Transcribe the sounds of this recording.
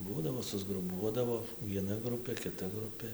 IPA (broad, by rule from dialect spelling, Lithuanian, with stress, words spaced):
ˈbuːdɐʋoː sʊzɡrʊˈbuɔdɐʋoː ʋʲiɛˈnɐ ˈɡrʊpʲeː kʲɪˈtɐ ˈɡrʊpʲeː